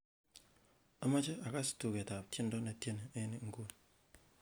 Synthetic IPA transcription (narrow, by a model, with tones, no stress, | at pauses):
a˦ma˦t͡ʃe˦a˨ka˦stu˨ke˨ta˨p̚tje˦ndo˦ne˨tje˦ne˨e˦ni˦ŋ̩˦ɡo˦˨n